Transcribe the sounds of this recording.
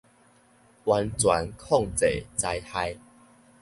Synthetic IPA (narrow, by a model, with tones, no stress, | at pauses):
wa˧nt͡swa̰˨˦nkʰɔ˥˨ŋt͡se˨˩˨t͡sa˧jha˦j